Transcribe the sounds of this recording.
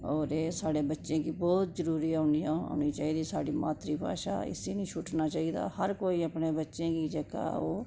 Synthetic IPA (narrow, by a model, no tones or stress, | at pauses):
ɔːɾeːsaːɽeːbətːʃẽːkiːbɔːt̪zəɾuːɾiːaʊːniːao̰ːniːt͡ʃaːiːd̪iːsaːɽiːma̰ːt̪ɾiːpa̰ːʃa̰ːɪ̰seːnĩːt͡ʃʰʊʈnaːt͡ʃaːiːd̪a̰ːhəɾkoːiːəpnẽːbətːʃẽːkiːd͡ʒeka̰ːoː